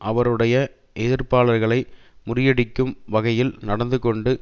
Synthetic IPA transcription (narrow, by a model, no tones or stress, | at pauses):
ʔɐʋɐɾɯɽɐjɐ | ʔɛðɪɾpaːɭɐɾɣɐɭɐɪ | mʊrɪjɐɽɪkːɯmʋɐɣɐjɪlnɐɽɐnd̪ɯkɔɳɖɯ